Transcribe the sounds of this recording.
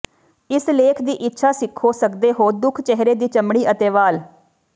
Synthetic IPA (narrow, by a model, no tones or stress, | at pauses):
ɪsleːkʰd̪iːʔɪtːʃʰaːsɪkʰːoːsəkd̪eːɦoːd̪ʊkʰt͡ʃɛɦɾeːd̪iːt͡ʃəmɽ̃iːʔət̪eːʋaːl